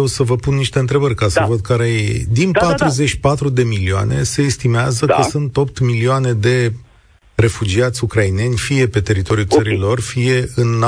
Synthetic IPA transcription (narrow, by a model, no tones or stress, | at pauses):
ewsəvəpunːiʃt̪e̞ɨnt̪ɾe̞bərʲkasəvəd̪̚kaɾejḛjd̪inpat̪ɾuze̞t͡ʃpat̪ɾud̪e̞milioa̰ne̞̰se̞ːst̪imeazəkəsunt̪o̞p̚t̪milioane̞d̪e̞ | re̞fud͡ʒiat̪sʲukɾaine̞nʲfije̞pe̞t̪e̞ɾit̪o̞ɾʲiut̪səɾilo̞rfije̞ɨnː